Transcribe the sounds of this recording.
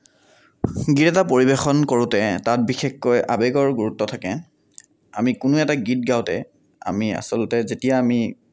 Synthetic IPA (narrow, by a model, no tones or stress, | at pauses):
ɡitɛtapoɹibexɔnkoɹʊtɛtat̚bixexːojʔabeɡɔɹɡuɹutːɔtʰakɛ | a̰mikʊnʊɛtaɡit̚ɡaʊtɛ̰ | a̰mia̰sɔlɔtɛzetijaːmi